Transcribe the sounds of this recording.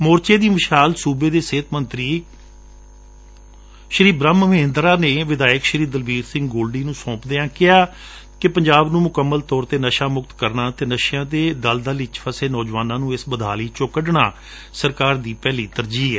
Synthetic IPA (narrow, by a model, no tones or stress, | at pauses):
moːɾt͡ʃeːd̪iːmɪʃaːlsuːbeːd̪eːseːt̪mənt̪ɾiː | ʃɾiːbɾəməmẽːnd̪ɾaːneːʋɪd̪aːjəkʃɾiːd̪əlʋiːɾsɪ̃ŋɡɡoːlɖiːnũːsɔ̃ːpd̪eːãːkɪjaː | kɪpəɲd͡ʒaːbnũːmʊkəmːəlt̪ɔːɾt̪eːnəʃaːmʊkt̪kəɾnaːt̪eːnəʃjãːd̪eːd̪əld̪aːlɪt͡ʃfʰəseːnɔːd͡ʒʋaːnãːnũːɪsbəd̪ʱaːliːt͡ʃoːkəɖɳaː | səɾkaːɾd̪iːpɛːliːt̪əɾd͡ʒiːɛː